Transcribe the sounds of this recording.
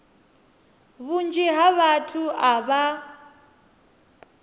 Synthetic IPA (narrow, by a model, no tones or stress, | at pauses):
βund͡ʒiɦaβatʰuaβa